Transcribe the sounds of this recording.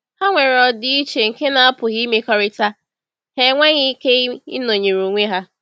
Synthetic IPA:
ha˦ŋʷe˨ɾɔ˨dɪ˦i˦t͡ʃe˨ŋ̩˨ke˦na˨a˦pʊ˨ɦi˦me˦kɔ˦ɾɪ˦ta˦ | he˦ŋʷe˦ɲɪ˦ke˦ḭ˦no˨ɲe˨ɾu˨ŋʷe˦ɦa˦

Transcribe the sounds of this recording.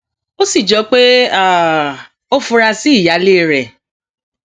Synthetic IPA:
o˦si˦˨d͡ʒɔ˨˦k͡pe˦a˦˨ | o˦fũ˧ɾa˧si˦i˦˨ja˨˦le˦˨ɾɛ˨

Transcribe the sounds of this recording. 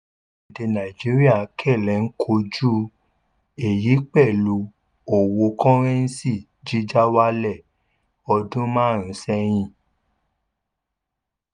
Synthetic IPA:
i˨de˨˧nã˨i˨d͡ʒi˨˦ɾi˦a˦˨kʰɛ˦˨lɛ˨˦n̩˦kʰo˧d͡ʒu˦ | e˨ji˨˦k͡pɛ˦˨lu˨˧˦ | o˨wo˧kɔ̃˦ɾ̃ɛ̃˦n̩˦si˦˨ | d͡ʒi˦d͡ʒa˦wa˦lɛ˦˨ | ɔ˧dũ˦mãː˦˨ɾ̃ũ˨˦sɛ˦j̃ĩ˦˨

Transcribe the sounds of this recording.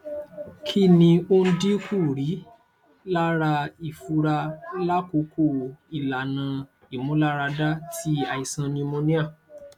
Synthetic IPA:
kʰi˦nĩ˧o˦n̩˦di˦ku˦˨ɾi˨˦ | la˦ɾa˧i˨fu˧ɾa˧la˦ko˨˦kʰo˦˨i˨la˨nã˧ | i˦˨mũ˨˦la˦ɾa˧da˦ti˦a˨i˨sã˧nĩ˧mõ˧˦nĩ˦a˦˨

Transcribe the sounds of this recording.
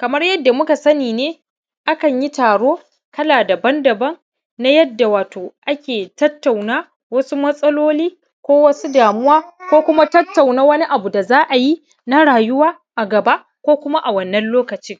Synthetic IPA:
kɐ˨mɐ˦rjɐ˦dːa˨mʊ˦ka˨sɐ˦niː˨neː˦ | ʔa˦kɐ˨ɲji˦taː˨ɽoː˦ | kɐ˦laː˨dɐ˨bɐ˦ndɐ˨bɐ˦ŋ | na˦jɐ˦dːa˨waː˨toː˨ʔa˦kʲeː˨tɐ˦tːa˨wnaː˦ | wɐ˦su˦mɐ˦sʼɐ˦loː˦liː˦ | kʷoː˦wɐ˦su˦daː˨mʊ˦waː˦kʷoː˦kʷʊ˦ma˦tɐ˦tːa˨wnaː˦wɐ˦ni˦ʔa˨bu˨da˨zaː˦ʔa˨ji˦ | na˦ɽaː˨jʊ˦waː˦ | ʔa˨ɡɐ˨ba˦ʔ | kʷoː˦kʷʊ˦ma˦ʔa˨wɐ˦˨nːɐ˦nloː˦kɐ˨t͡ʃɪ˦ŋ

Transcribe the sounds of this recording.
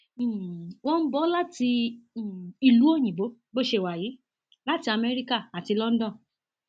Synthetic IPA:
wɔ̃˦m̩˦bɔ˦la˦tĩ˧˦˨ | i˧˨lu˨˦o˦˨j̃ĩ˨bo˨˦ | bo˦ʃe˧˨wa˨jiː˨˦ | la˦ti˧˦a˧mɛ˧ɾi˦ka˦˨a˨ti˧lɔ˦n̩˦dɔ̃˦˨

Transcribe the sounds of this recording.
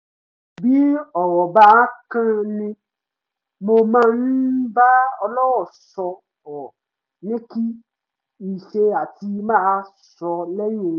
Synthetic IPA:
bi˦ɔ˨wɔ˨ba˦kã˦nẽ˦ | mõ˧mã˦n̩˦ba˦ɔ˧lɔ˦wɔ˨sɔ˧ | ɔ˨ | nẽ˦ki˦ | i˨ʃe˧a˨t̪i˧mã˦ | sɔ˧lɛ˦ɲõ˨˦

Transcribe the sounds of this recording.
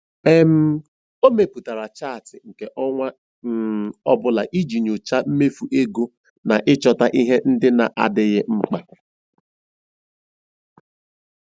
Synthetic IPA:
e˦m̩˦ | o˦me˨pu˨ta˨ɾa˨t͡ʃa˦˨tɪ˨ŋ̩˨ke˨ʔɔ˦ŋʷa˦ | ɔ˦bʊ˦la˨ʔi˦d͡ʒi˨ɲo˨t͡ʃa˦m̩˦me˦fu˨ʔe˦ɡo˦ | na˨ʔɪ˦t͡ʃɔ˨ta˦ʔi˦ɦe˦n̩˦dɪ˦na̰˨ʔa̰˨dɪ˦ɣɪ˦ŋ͡m̩˦k͡pa˦

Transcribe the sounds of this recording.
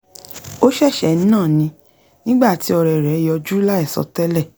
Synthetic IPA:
o˦ʃɛ˦˨ʃɛ˨ñ̩˦nãː˦˨nĩ˧˦ | nĩ˦ɡ͡ba˦˨ti˨˧˦ɔ˧ɾɛ˨ɾɛ˨˦jɔ˧d͡ʒu˦la˦ɛ˦˨sɔ̰˧tɛ˦lɛ˦˨

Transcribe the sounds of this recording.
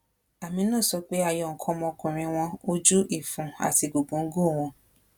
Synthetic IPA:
a˨mĩ˧˦nãː˦˨sɔ˧k͡pe˦a˦˨jɔ̃˧˨ŋ̩˨kʰɔ̃˧˦mɔ̃˧kũ˨ɾ̃ĩ˧w̃ɔ̃˧o˦d͡ʒu˦ʔi˦˨fũ˨a̰˨ti˧ɡo˨ɡ͡bũ˨˦ŋ̩˦ɡo˦˨w̃ɔ̃˧

